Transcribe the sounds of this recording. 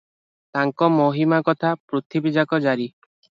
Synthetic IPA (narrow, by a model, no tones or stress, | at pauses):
t̪aŋkɔmoɦimakɔt̪ʰapɾut̪ʰibid͡ʒakɔd͡ʒaɾi